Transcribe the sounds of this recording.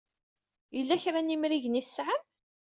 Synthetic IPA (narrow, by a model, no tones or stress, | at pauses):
jəlːæçɾænimɾiʝəniθə̥sʕəm